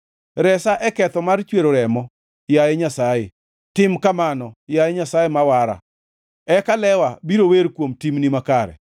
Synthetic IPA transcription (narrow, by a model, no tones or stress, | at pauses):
ɾɛsaʔɛkɛt̪ɔmart͡ʃweɾoɾɛmɔ | jajɛɲasaje | tɪmkamanɔjajɛɲasajemawaɾa̰ | ɛkalɛwabiɾoweɾkwomtimnimakaɾɛ̰